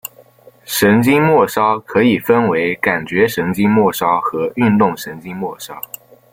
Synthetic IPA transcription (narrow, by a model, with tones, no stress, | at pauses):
ʂə˧˥ŋt͡ɕi˥ŋmwɔ˥˩ʂɑ˥ʊkʰɤ˧˥i˨˩fə˥nwe˧˥ɪka˨˩nt͡ɕɥɛ˧˥ʂə˧˥ŋt͡ɕi˥ŋmwɔ˥˩ʂɑ˥ʊxɤ˧˥y˥˧nt̪ʊ˥˩ŋʂə˧˥nt͡ɕi˥ŋmwɔ˥˩ʂɑ˥ʊ